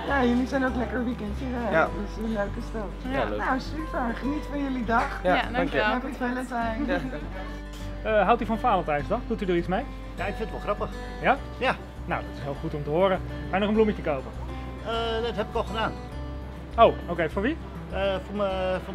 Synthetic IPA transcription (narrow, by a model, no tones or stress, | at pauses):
jajəlisɛjnoklɛkərʋikɛntjəkədɪsəənløɥkəstɑpnawsyfəɹχənitfɔnjəlidɑχ | ɛpiɪləntɛj | əɦawtyfɔnfaːləntɛjsdɔχdutydəritt͡smej | jaɪkfɪnətʋɔlˠχrɑpəχ | ja | ja | nawdɔtɪsɦɪːlˠχutɔmtəɦoːɾə | bɛjnɔχəmblumjətəkowpə | ədɔthɛpɪkɔlˠχədaːn | owowkejfoːɹʋi | əfʊməfo